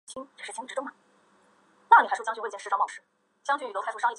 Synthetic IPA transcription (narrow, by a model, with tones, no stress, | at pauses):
t͡ɕʰi˥ŋt͡ɕʂ̩˥˩t͡ɕʈ͡ʂɻ̩˧˥ʈ͡ʂʊ˥ŋɐ˩ | na˥˩ŋni˨˩xɪʂjɑ˥ŋɕy˧˥˩t͡ɕi˥ʂ̩ɻʂɑ˥˧pɑ˨˩ʊʂɻ̩˥˩ | t͡ɕjɑ˥ŋɕʰy˧˥y˨˩˥ʂɑ˥˩